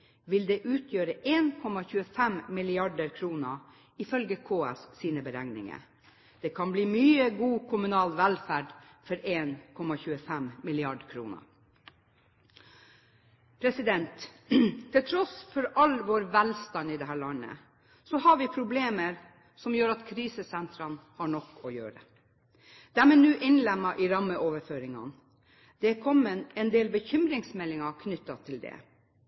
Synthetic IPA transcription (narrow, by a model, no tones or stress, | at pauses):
ʋɪld̪ɛːʔʉːt̪ʰjøːɾəʔeːnkʰɔmɑçʉːəfɛmmɪlɪɑɖəɾkʰɾuːnə | ɪfœlɡəkʰoːɛ̰sːiːnəbəɾæŋnɪ̰ŋə̰ | d̪̥ɛkʰɑnbliːmyːəɡuːkʰʊmʉnɑːlʋælfæːɖfɔɾeːnkʰɔmɑçʉːəfɛmmɪlɪɑɖkʰɾṵːnə̰ | pʰɾɛsɪd̪ɛnt̪ʰː | ɪlt̪ʰɾɔsfɔɾɑlʋoːɾʋælst̪ɑnɪd̪ɛɦæːɭɑnə̰ | sɔhɑɾʋɪpʰɾʊbleːməɾ | sɔmjøːɾɑt̪kʰɾiːsəsɛnt̪ʰɾɑnhɑɳɔkːɔjøːɾə̰ | d̪̥ɛæmɛnʉːʔɪnlɛmːɑʔɪɾɑmːəʔoːʋəɾføːɾɪŋɑ̰n | d̪̥ɛkʰɔmːənɛnd̪eːlbəçʏmɾɪŋsmɛlːɪŋɑkʰnʏt̪ːɑt̪ʰɪld̪ɛ̰